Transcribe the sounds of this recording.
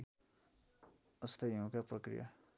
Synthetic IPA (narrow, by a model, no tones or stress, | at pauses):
ʌst̪ʰʌjũkaprʌkrḭja̰